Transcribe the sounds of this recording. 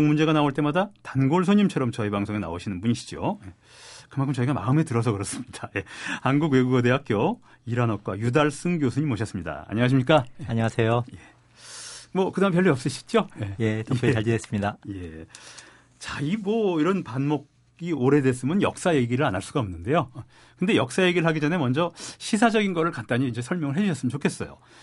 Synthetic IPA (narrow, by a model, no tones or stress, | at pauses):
oŋmund͡ʑe̞ɡanaoɭt͈e̞madatanɡoɭsʰoɲimt͡ɕʰʌɾʌmt͡ɕʌibaŋsʰoŋena̰oɕʰinɯnbuɲiɕi̥d͡ʑo̰je | kɯmaŋkʰɯmt͡ɕʌiɡama̰ɯme̞tɯɾʌs̬ʰʌkɯɾʌs͈ɯmɲid̥aje̞hanɡukwe̞ɡuɡʌde̞ɦak̚k͈jo | iɾanʌk̚k͈wajudaɭs͈ɯŋɡjosʰuɲimoɕʰʌs͈ɯmɲida̰a̰ɲʌŋaɕ̬ʰimɲik͈aeaɲʌŋasʰe̞joje̞ | mwʌkɯdaampjʌɭːiʌp̚s͈ɯɕʰi̥t͡ɕ͈ojejetoeaɡiɦes͈ɯmɲidaje̞ | t͡ɕaiboiɾʌnpanmok | ioɾe̞des͈ɯmɯnjʌ̰k̚s͈aje̞ɡiɾɯɾanaɭs͈uɡaʌmnːɯnde̞jo | kɯnde̞jʌk̚s͈aje̞ɡiɾɭɦaɡid͡ʑʌne̞mʌnd͡ʑʌɕʰis̬ʰad͡ʑʌɡinɡʌɾɯɭkant͈aɲiːnd͡ʑe̞sʰʌɭmjʌŋɯɭɦe̞d͡ʑuɕʰʌs͈ɯmt͡ɕokʰe̞s͈ʌjo̰